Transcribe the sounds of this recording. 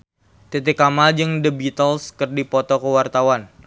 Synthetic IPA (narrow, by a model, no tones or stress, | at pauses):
t̪et̪ɪkamad͡ʒɨŋdəbit̪əlskərdipɔt̪ɔkəwart̪awan